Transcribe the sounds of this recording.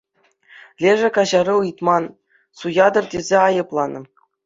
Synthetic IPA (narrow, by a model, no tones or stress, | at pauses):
lʲeʐɘ̆kɑʑɑɾɤ̆ɯjt̪mɑn | sujɑd̪ɤ̆rdʲezʲeɑjɤ̆plˠɑnɤ̆